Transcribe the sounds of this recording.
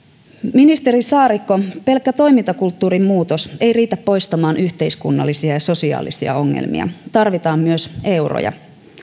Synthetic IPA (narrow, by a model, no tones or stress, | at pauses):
minist̪e̞ɾisɑːɾikːo̞pe̞lkːæt̪o̞jmint̪ɑkult̪ːuːɾimmuːt̪o̞se̞jriːt̪æpːo̞jst̪ɑmɑːnʔyçt̪e̞iskunːɑ̰lːisiɑjɑso̞siɑ̰ːlisiɑ̰o̞ŋːḛlmḭɑ̰t̪ɑrʋit̪ɑːmːyøse̞wro̰jɑ̰